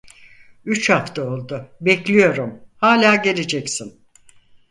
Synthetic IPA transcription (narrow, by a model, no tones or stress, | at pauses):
yt͡ʃhaft̪ʰao̞lˠd̪ʊbɛclʲijo̞ɾumhaːlʲaːɟe̞led͡ʒɛcsin